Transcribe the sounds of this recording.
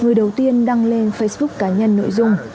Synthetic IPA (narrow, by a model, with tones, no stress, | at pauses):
ŋɨ˨˩əjɗə˨˩wt̪i˧ənɗa˧ŋle˧nfə˧jsɓʊ˦˥k̚kaː˨˦ɲə˧nːo̰˧˨jzʊ˧ŋ͡m